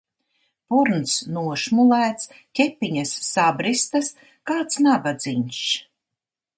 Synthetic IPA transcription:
puɾnsnuɔʃmulæːt̪s | kʲɛpːiɲasːabɾist̪as | kaːt̪snabad̪ziɲʲʃ

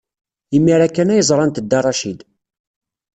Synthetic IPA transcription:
imːiɾækːænæjəzˤɾˤɑnt̪əd̪ːɑrˤɑʃid̪

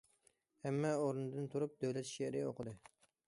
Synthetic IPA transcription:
hɛmːɛoɾɨnɨd̪ɨnt̪ʰuɾup̚d̪øwlɛt̪ʃeɾioqʰəd̪ɨ

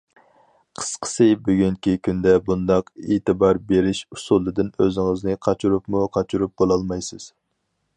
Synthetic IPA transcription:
qʰə̥sqʰə̥sɨbøɡʲyŋkʲikʲʰynd̪ɛbund̪ɑqet̪ɨbɑɾbeɾɪʃusulˠːɨd̪ɪnøzɪŋəznɨqʰɑt͡ʃʰuɾupmuqʰɑt͡ʃʰuɾup̚bolˠɑlˠmɑjsɨz̥

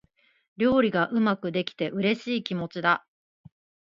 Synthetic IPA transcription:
ɾʲo̞ːɾʲiɡaʔɯ̟makɯ̟d̪e̞kʲi̥t̪e̞ʔɯ̟ɾe̞ɕiːkʲimo̞t͡ɕid̪a

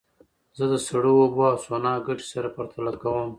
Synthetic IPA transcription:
zəd̪əsaɽuwobaːswonɑːɡaʈi̥saɾapɐɾt̪ʰalakawəm

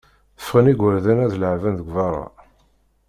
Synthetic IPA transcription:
θə̥fʁəniɡʷəɾðænæðləʕvænðəɡʷvɑɾˤɑ̰

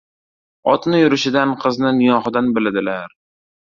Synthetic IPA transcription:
ɒt̪nɪjʊɾɪʃɪd̪anqʰɨznɪnɪjɒχɨd̪anbɪlad̪ɪlaɾ

